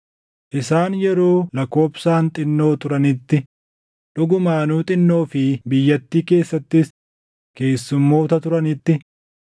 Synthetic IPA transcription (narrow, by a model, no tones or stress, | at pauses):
ʔɪsaːnjɛɾo̞ːlɐko̞ːbsaːnt̪ʼɪnːo̞ːt̪ʊɾɐnɪt̪ːɪ | ᶑʊɡʊmaːnuːt̪ʼɪnːo̞ːfɪbɪjːɐt̪ːiːke̞ːsːɐt̪ːɪs | ke̞ːsːʊmːo̞ːt̪ɐt̪ʊɾɐnɪt̪ːɪ